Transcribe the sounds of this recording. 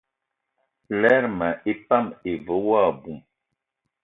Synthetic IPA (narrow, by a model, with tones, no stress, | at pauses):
lɛ˦ɾma˨ʔe˦pa˦˨me˨və˨˦wa˦˨bu˨m